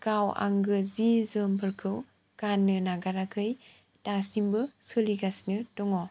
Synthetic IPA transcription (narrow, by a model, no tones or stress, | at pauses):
kawa̰ŋɡɯzizɯmpʰɯɾkʰɯw | kanːɯnaɡaɾakʰɯj | tasimbɯsɯliɡasnɯtɔŋɔ